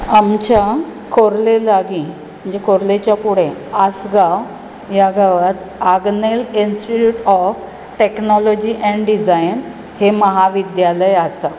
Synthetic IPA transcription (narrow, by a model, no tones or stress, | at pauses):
amt͡ɕakʰoɾlelaɡĩ | m̤əɳd͡zekʰoɾlet͡ɕjapuɽ̤ẽasɡaw | jaɡaʋat̪ | aɡnelinsʈiʈuːʈɔf | ʈeknɔlɔd͡ʑiʔɛ̃ɳɖɖid͡zajn | heməɦaʋid̪jaləjasa